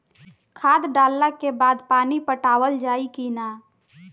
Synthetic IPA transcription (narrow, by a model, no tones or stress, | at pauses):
kʰaːd̪ɖaːlːakebaːd̪paːnipəʈaːwəld͡ʒaːikiːna